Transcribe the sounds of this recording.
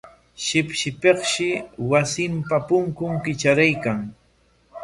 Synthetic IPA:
ʃɪpʃɪpeχʃɪwasɪmpapʊŋkʊŋkɪt͡ʃaɾajkaŋ

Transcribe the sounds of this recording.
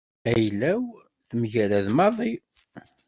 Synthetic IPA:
æjlːæw | θmʝælæðmɑðˤi

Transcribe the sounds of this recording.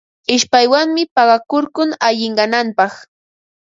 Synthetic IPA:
ɪʃpajwaŋmɪpɑɢɑkʊɾkʊŋaʎɪɴɢɑnampɑχ

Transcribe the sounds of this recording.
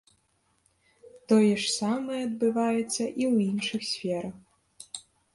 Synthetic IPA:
t̪ɔjɛʂsamɐɛɐd̪̚bɨvajɛt̪sːɐʔiwinʂɨxsʲfʲɛɾɐx

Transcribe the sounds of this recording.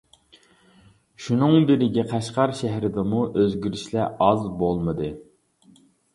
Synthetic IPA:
ʃunɨŋbɪɾɪɡʲɛqʰɑʃqɑɾʃæɦɾɪd̪ɛmuʔøzɡʲyɾiʃlɛɑzbolˠmɨd̪ɨ

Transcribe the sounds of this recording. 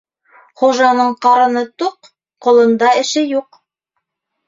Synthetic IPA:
χuʒɑnɤɴqɑɾɤ̆nɤt̪uqː | ŏlˠɤ̆nd̪ɑɘ̆ʃɘjuq

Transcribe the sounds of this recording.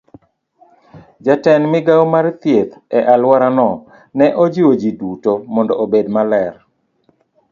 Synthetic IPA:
d͡ʒatɛnmɪɡawmart̪jet̪ɛʔalwaɾanɔ | nɛʔɔd͡ʒiwod͡ʒidutomɔndɔobedmalɛr

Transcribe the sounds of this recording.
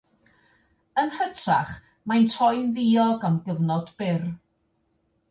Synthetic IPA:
ənhədraχ | majntʰɔjnðiːɔɡamɡəvnɔd̥bɪr

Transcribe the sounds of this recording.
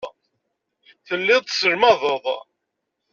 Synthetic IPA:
θəlːɪðˤt̪səɾmɑðˤəðˤ

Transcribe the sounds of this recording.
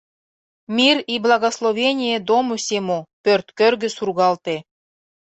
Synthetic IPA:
mʲiriblˠɑɣoslˠovʲenʲijed̪omosʲemopʲørt̪kørɡɘ̆surɣɑlt̪e

